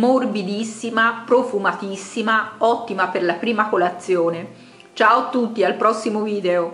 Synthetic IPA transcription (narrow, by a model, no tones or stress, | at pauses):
morbid̪isːimapɾofumat̪isːimaɔt̪ːimaperlapɾiːmakolat̪sːjoːne | t͡ʃaːot̪ːut̪ːialpɾɔsːimoviːd̪ɛo